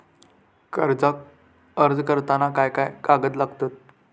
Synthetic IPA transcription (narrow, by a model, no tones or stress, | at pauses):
kəɾd͡zak | əɾd͡zkəɾt̪anakajkajkaɡəd̪laɡt̪ot̪̚